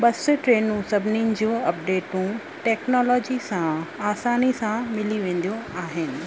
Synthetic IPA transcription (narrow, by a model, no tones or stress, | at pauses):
bɐsʊʈɾeːnũsɐbʱɪnɪ̃n̆d͡ʑõːɐp̚ɖeːʈũ | ʈɛːknɔːlɔːd͡ʑisãaːsaːnisãmɪliʋẽːn̆d̪ijõaːɦɪnɪ̆